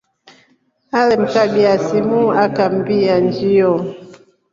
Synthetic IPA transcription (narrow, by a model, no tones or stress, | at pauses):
alɛm̩kabiasimuakam̩biand͡ʒijɔ